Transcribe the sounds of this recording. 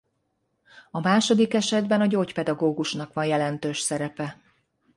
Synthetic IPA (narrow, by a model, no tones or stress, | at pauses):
ɒmaːʃo̞d̪ikɛʃɛd̪bɛnɒɟoːcpɛd̪ɒɡoːɡuʃnɒkʋɒnjɛlɛnt̪øːʃsɛɾɛpɛ